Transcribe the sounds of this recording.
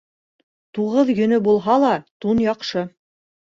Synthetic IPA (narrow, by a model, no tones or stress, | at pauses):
t̪uʁɤðjɵ̆nɵbulˠɦɑlˠɑt̪unjɑqʃɤ